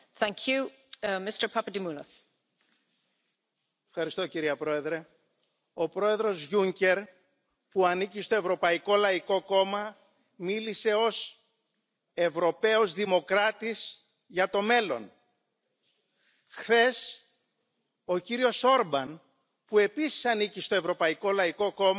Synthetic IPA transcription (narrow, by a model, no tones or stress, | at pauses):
θæ̃ŋkʰjʉ | mɪstə˞pʰapədimuləs | efxɐɾist̪o̞ciɾiɐpɾo̞e̞ðɾe̞ | o̞pɾo̞e̞ðɾo̞zʝuɲce̞ɾ | puɐnicist̪o̞e̞vɾo̞pɐiko̞lɐiko̞ko̞mɐ | milise̞o̞s | e̞vɾo̞pe̞ozðimo̞kɾɐt̪is | ʝɐt̪o̞me̞lo̞̰n | xθe̞s | o̞ciɾio̞so̞ɾbɐn | pue̞pisi̥sɐnicist̪o̞e̞vɾo̞pɐiko̞lɐiko̞ko̞m